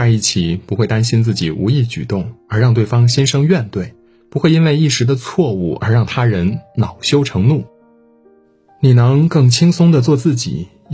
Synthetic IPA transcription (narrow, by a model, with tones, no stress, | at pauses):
a˥˧ɪi˥˩t͡ɕʰi˨˩pu˧˥xwe˥˩ɪt̪a˥nɕi˥nt͡sɹ̩˥˩t͡ɕi˨˩u˧˥i˥˩t͡ɕy˨˩t̪ʊ˥˩ŋə˞˧˥ɻɑ˥˧ŋt̪we˥˩ɪfɑ˥ŋɕɛ˥nʂɤ˥ŋɥɛ˥˧nt̪we˥˩ɪ | pu˧˥xwe˥˩ɪi˥nwe˥˧ɪi˥˩ʂɻ̩˧˥d̪ə˧t͡sʰwɔ˥˧u˥˩ə̰˞˧˥ɻɑ˥˩ŋt̪ʰa˥ɻə˧˥nnɑ˨˩ʊɕjo˥ʊʈ͡ʂʰɤ˧˥ŋnu˥˩ | ni˨˩nɤ˧˥ŋkɤ˥˩ŋt͡ɕʰi˥ŋsʊ˥ŋd̪ə˨t͡swɔ˥˧t͡sɹ̩˥˩t͡ɕḭ˨˩˦